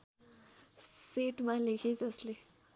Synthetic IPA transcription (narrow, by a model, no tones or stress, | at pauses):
seʈmalekʰet͡sʌsle